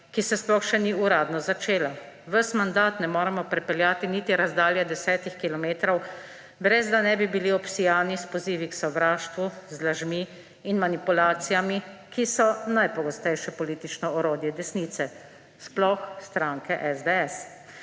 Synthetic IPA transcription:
kisɛsplɔxʃɛniuɾaːd̪nɔzat͡ʃeːla | ʋəsmand̪aːt̪nɛmoːɾɛmɔpɾɛpɛljaːt̪init̪iɾazd̪aːljɛd̪ɛsɛːt̪ixkilɔmeːt̪ɾɔw | bɾɛzd̪anɛbibiliɔpsijaːnispɔziːʋiksɔʋɾaːʃt̪ʋuzlaʒmiː | nmanipulaːt̪sijamikisɔnajpɔɡɔst̪ɛjʃɛpɔliːt̪it͡ʃnɔɔɾoːd̪jɛd̪ɛsniːt̪sɛ | splɔxst̪ɾaŋkɛʔɛzd̪ɛɛs

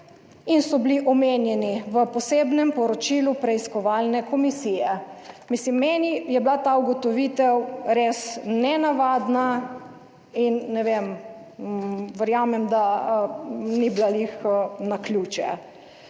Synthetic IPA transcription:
insɔbliʔɔmeːnjɛniʋəpɔseːbnɛmpɔɾɔt͡ʃilupɾɛiskɔʋaːlnɛkɔmisijɛmislimːɛːnijɛblat̪auɡɔt̪ɔʋit̪ɛwɾeːsnɛnaʋaːd̪na | inːɛʋem | ʋəɾjamɛmd̪a | niblalixnakljuːt͡ʃɛ̰

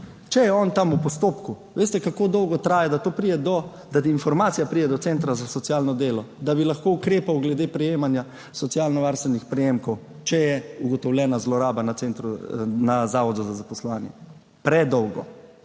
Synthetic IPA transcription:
t͡ʃɛjɛɔnt̪amupɔst̪oːpkuʋeːst̪ɛkakoːd̪ɔwɡɔt̪ɾaːjad̪at̪oːpɾidɛd̪ɔ | d̪at̪iinfɔɾmaːt̪sijapɾid̪ɛd̪ɔt̪sent̪ɾazasɔtsjaːlnɔd̪eːlɔd̪abilaxkoukɾeːpawɡlɛd̪epɾɛjeːmanja | sɔt̪sjalnɔʋaɾst̪ʋɛnixpɾɛjeːmkɔw | t͡ʃɛjɛuɡɔt̪ɔwlʲjɛːnazlɔɾaːbanat̪sent̪ɾunazaːʋɔd̪uzazapɔslɔʋaːnjɛ̰ | pɾɛd̪ɔwɡɔ̰

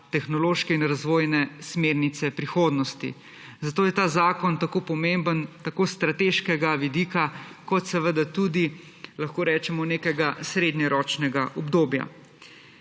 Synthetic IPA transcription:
t̪ɛxnɔloːʃkɛinɾazʋoːjnɛsmeɾnit̪sɛpɾixoːd̪nɔst̪ḭ | zat̪oːjɛt̪aːzaːkɔnt̪akoːpɔmembənt̪akoːst̪ɾat̪eːʃkɛɡaʋid̪iːkakɔt̪sɛʋəd̪at̪ud̪i | lɐxkoːɾɛːt͡ʃɛmɔneːkɛɡasɾeːd̪ɲɛɾɔːt͡ʃnɛɡaʔɔbd̪oːbja̰

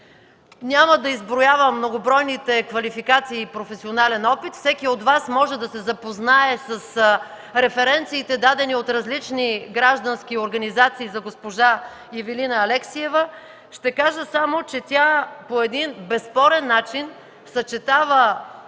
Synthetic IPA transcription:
nʲaməd̪ɐizbɾojavəmːnoɡobɾɔjnit̪ɛkvɐlifikat̪siːpɾofɛsionalɛnɔpit̪fsɛkiod̪vasmɔʒɛd̪ɐsɛzɐpoznaɛsɐs | ɾɛfɛɾɛnt̪siːt̪ɛd̪ad̪ɛniot̪ɾɐzlit͡ʃniɡɾaʒd̪ənskioɾɡɐnizat̪siːzɐɡospoʒa | jɛvilinəːlɛksiɛvə | ʃt̪ɛkaʒəsamot͡ʃɛt̪ʲjapoɛd̪inbɛspɔɾɛnːat͡ʃin | sɐt͡ʃɛt̪avə

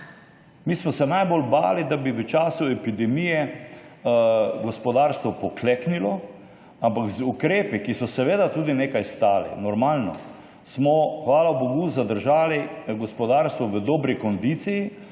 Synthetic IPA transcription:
miːsmɔsɛnajbolba̰ːlid̪abiʋət͡ʃaːsuɛpid̪ɛmijɛ | ɡɔspɔd̪aːɾst̪ʋɔpɔkleknilɔ | ampaɡzukɾeːpikisɔsɛʋeːd̪at̪uːd̪ineːkajst̪aːlḭnɔɾmaːlnɔ̰ | smɔxʋaːlaboɡuzad̪əɾʒaːliɡɔspɔd̪aːɾst̪ʋɔʋəd̪ɔːbɾikɔnd̪iːt̪siji

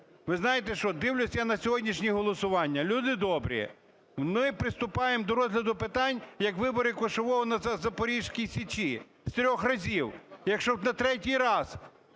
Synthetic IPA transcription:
ʋɪznɑjet̪ɛʃt͡ʃɔd̪ɪwlʲʊsʲjanɐsʲɔɦɔdʲnʲiʃnʲiɦɔlˠɔsʊʋɑnʲːɐlʲud̪ɪd̪ɔbɾʲḭ | mɪpɾɪst̪ʊpɑjemd̪ɔɾɔzʲlʲɐd̪ʊpɪt̪ɑnʲjɐkʋɪbɔɾɪkʊʃɔʋɔɦɔnɐɐzɐpɔɾʲiʒkʲijsʲit͡ʃi | st̪ɾʲɔxrɐzʲiwjɐkʃt͡ʃɔnɐt̪ɾɛtʲijɾɑz

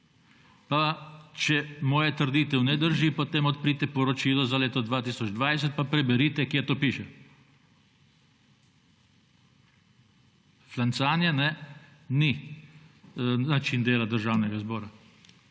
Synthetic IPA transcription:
pat͡ʃɛmoːjɛt̪əɾd̪iːt̪ɛwnɛd̪əɾʒipot̪eːmɔt̪pɾiːt̪ɛpɔɾɔt͡ʃiːlɔzaleːt̪ɔd̪ʋaːt̪isɔd͡ʒd̪ʋajs̬ɛt̪̚papɾɛbɛɾiːt̪ɛkjet̪oːpiːʃɛ | flant̪saːnjɛnɛni | nat͡ʃind̪eːlad̪əɾʒaːwnɛɡazbɔːɾa

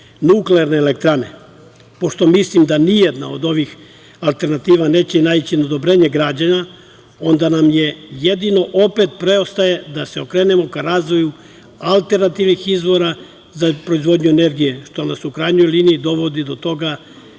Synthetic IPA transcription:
nukleaɾneːle̞k̚t̪ɾane̞̰ | po̞ʃt̪o̞mislimd̪anijed̪na̰o̞d̪o̞ʋix | alˠt̪e̞ɾnat̪iːʋane̞ːt͡ɕenaːit͡ɕinod̪o̞bɾe̞ːɲeɡɾaːd͡ʑaɲa | o̞nd̪anamje̞jed̪ino̞ʔo̞pe̞t̪pɾe̞o̞st̪aje̞d̪ase̞o̞kɾe̞ːne̞mo̞kaɾaːzʋo̞ju | alˠt̪e̞ɾnat̪iʋnixizʋo̞ɾa | zapɾo̞izʋo̞d̪ɲue̞ne̞ɾɡije̞ʃt̪o̞nasukɾajnojliniːd̪o̞ʋo̞d̪id̪o̞t̪o̞ɡa

